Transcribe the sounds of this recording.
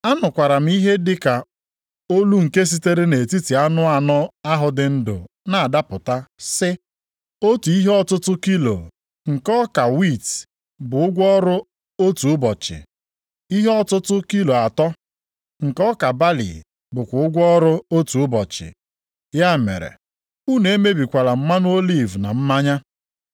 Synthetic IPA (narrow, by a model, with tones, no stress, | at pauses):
a˦nʊ˨kʷa˨ɾa˨m̩˦i˦ɦe˦dɪ˦ka˨ | o˦lu˦ŋ̩˨ke˦s̬i˦te˦ɾe˦ne˨ti˦ti˨a˦nʊ˦a˨nɔ˦a˦ɦʊ˨dɪ˨n̩˦dʊ̰˨ | na˨a˨da˦pʊ˨ta˦sɪ˦ | o˦tu˨i˦ɦe˦ɔ˦tʊ˦tʊ˦ki˦lo̰˨ | ŋ̩˨kɔ˦ka˨wi˦˨t | bʊ˨ʊ˦ɡʷɔ˦ɾʊ˦ | o˦tu˨ʊ˦bɔ˨t͡ʃɪ̰˨ | i˦ɦe˦ɔ˦tʊ˦tʊ˦ki˦lo˨a˨tɔ˦ | ŋ̩˨kɔ˦ka˨ba˦lḭ˨ | bʊ˨kʷʊ˨ʊ˦ɡʷɔ˦ɾʊ˦o˦tu˨ʊ˦bɔ˨t͡ʃɪ̰˨ | ja˦mḛ˨ɾḛ˨ | u˦ne˨˦me˦bi˨kʷa˨la˨m̩˦ma˦nʊ˦o˦li˦˨vna˨m̩˦ma˦ɲa˦